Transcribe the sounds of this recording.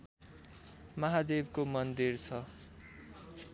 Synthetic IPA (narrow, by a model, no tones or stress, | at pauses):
mʌɦad̪ebkomʌnd̪irt͡sʰʌ